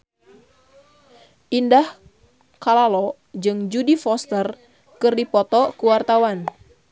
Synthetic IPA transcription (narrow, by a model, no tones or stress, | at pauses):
ʔindah | kalalɔ | d͡ʒɨŋd͡ʒudifɔst̪ər | kɨrdipɔt̪ɔkuwart̪awan